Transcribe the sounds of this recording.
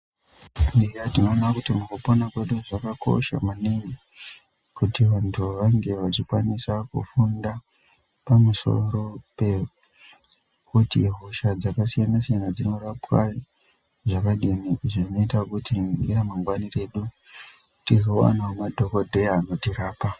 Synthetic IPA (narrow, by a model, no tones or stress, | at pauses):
nejatinoːnakutimukuponakweɗuʐakakʰo̞̰ʃa̰maniɲi | kutiʋantʰuʋaŋɡe̞ʋat͡ʃikwanisakṵfunda | pamuso̞̰ro̞pe̞ | kutḭɦoʃad͡zakasijanasijanad͡zino̞rapwa̰ | ʐakaɗiniʔiʐiʐino̞itakutiniramaŋɡwanire̞ɗu | tizowa̰namadʱo̞ko̞dʱe̞ano̞tiɾaːpa